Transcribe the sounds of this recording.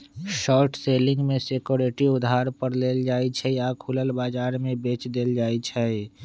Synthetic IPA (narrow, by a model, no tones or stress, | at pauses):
ʃɔːɾʈseːlɪ̃ŋɡmẽsekoɾeʈiʊd̪ɦaːɾpəɾleːld͡ʒaːit͡ʃʰɛiakʰuləlbaːd͡ʒaːɾmẽbeːt͡ʃd̪eːld͡ʒaːit͡ʃʰɛ